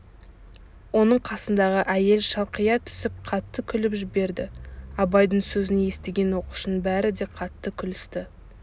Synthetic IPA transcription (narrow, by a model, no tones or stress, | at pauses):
wo̞nəɴqʰɑsənd̪ɑʁəʔæje̞lʃɑlˠqijɑt̪ʰʏ̥sɪp̚qʰɑt̪ːəkʲʰʏlɪpʒɪbe̞ɾd̪ɪɑbɑjd̪əɴsɵzɪneje̞st̪eɡʲe̞nwo̞qu̥ʃnbæɾɪd̪e̞qʰɑt̪ːəkʲʰʏlɪst̪ɪ